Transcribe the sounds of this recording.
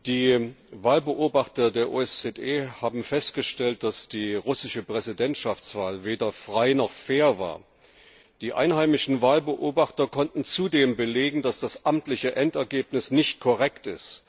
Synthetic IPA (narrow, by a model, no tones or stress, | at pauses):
d̥iːvaːlbəʔoːbaχtɐdeːɐʔo̰ːɛst͡sɛteːhaːbm̩fɛst̚ɡ̥əʃtɛlt̚d̥asd̥iːʁʊsɪʃəpʁ̥ɛzidɛntʃaft͡sv̥aːlveːdɐfʁ̥aɪnɔχfeːɐva̰ːɐ | d̥iːʔa̰ɪnɦaɪmɪʃn̩vaːlbəʔoːbaχtɐkʰɔntn̩t͡sudeːmbəleːɡŋ̩d̥asd̥asʔamtlɪçəʔɛntɛɐɡeːpnɪsnɪçt̚kʰɔʁɛktɪ̰st